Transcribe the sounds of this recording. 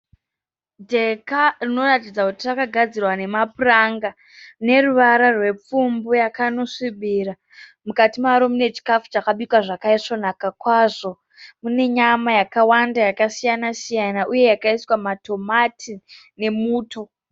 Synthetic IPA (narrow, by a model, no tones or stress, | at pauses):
dʱe̞karino̞ratid͡zakutirakaɡʱad͡zirwane̞mapuraŋɡa | ne̞ruʋaɾarwe̞p͡fumbujakano̞ʂiɓira | mukatimaɾomine̞t͡ʃi̥kafu̥t͡ʃakaɓikwaʐakaiʂo̞nakakwaʐo̞ | mune̞ɲamajakawandajakasijanasijanaʔuje̞jakaiswamato̞matʰi | ne̞muːto̞